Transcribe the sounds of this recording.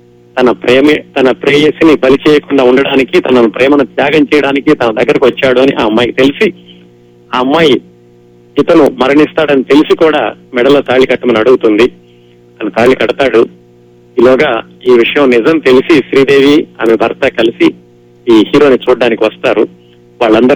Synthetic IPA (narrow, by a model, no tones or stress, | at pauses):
t̪ɐnɐpɾɛːmit̪ɐnɐpɾeːjesinibɐlit͡ʃɛːjɐkuɳɖaːuɳɖɐɽaːnikit̪ɐnɐnupɾɛːmɐnut̪jaːɡɐmt͡ʃɛːjɐɽaːnikit̪ɐnɐd̪ɐɡːɐɾɐkiʋɐt͡ʃːaːɽuɐniʔaːɐmːaːjkit̪e̞lisi | aɐmːaːji | it̪ɐnumɐɾɐɳist̪aːɽɐnit̪e̞lisikuːɽa̰ːmɛɽɐlːɐt̪aːɭːikɐʈːɐmɐnɐɽuɡut̪und̪i | t̪ɐnɐt̪aːɭːikɐɽɐt̪aːɽu | ilɔːɡaː | iːʋiʂɐjɐmnizɐmt̪e̞lisiʃɾiːd̪e̞ːʋiɐ̰ːmebʱɐɾt̪ɐkɐlisi | iːhiːɾo̞ːnit͡ʃuːɽːaːnikiʋɐst̪aːɾṵ | ʋaːɭːɐnd̪ɐɾ